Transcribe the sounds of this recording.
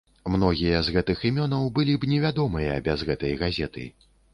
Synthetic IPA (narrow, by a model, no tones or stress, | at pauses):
mnɔɣʲijɐzɣɛt̪ɨximʲɔnɐwbɨlʲibnʲɛvʲad̪ɔmɨjɐbʲazɣɛt̪ɐjɣazʲɛt̪ɨ̰